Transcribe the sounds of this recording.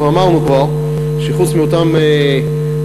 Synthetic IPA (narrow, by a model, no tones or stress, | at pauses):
veamaʁnukvaʁ | ʃeχut͡smiot̪ame